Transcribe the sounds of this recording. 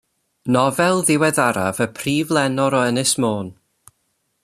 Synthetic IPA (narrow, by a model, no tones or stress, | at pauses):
nɔvɛlˠðɪwɛðaɾa̰vəpʰriːvlˠɛnɔɾɔənɪsmoːn